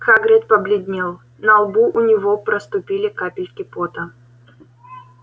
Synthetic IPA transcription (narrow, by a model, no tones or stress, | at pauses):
xaɡɾʲet̪̚pəblʲɪd̪ʲnʲilˠ | nəɐlˠbuʔʊnʲɪvopɾəst̪ʊpʲilʲɪkapʲɪlʲkʲɪpot̪ə